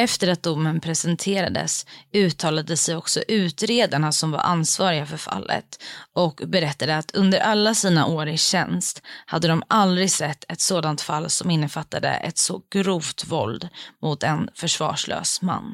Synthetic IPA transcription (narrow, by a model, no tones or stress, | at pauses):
ɛft̪əɾat̪̚d̪ʊmːənpʰɾɛsɛnt̪ʰeːɾa̰d̪ə̰sʉ̟ːt̪ʰːɑːlad̪əsɛjɔksɔ̰ʔʉ̟ːt̪ɾeːd̪aɳasɔmva̰ɾʔansvɑːɾɪɡafœɾfa̰lːə̰t̪ɔkbɛɾɛt̪ːad̪əat̪ʰɵnd̪əɾʔalːasiːna̰ʔoːɾɪɕɛ̰nst̪had̪ːəd̪ɔmald̪ɾɪɡsɛt̪ʰːɛt̪soːd̪ant̪falːsɔmɪnːəfat̪ːad̪ə̰ʔɛ̰t̪sɔɡ̥ɾuːvt̪vɔld̪mʊt̪ɛnfœʂvɑ̰ːʂɭø̰ːsma̰nː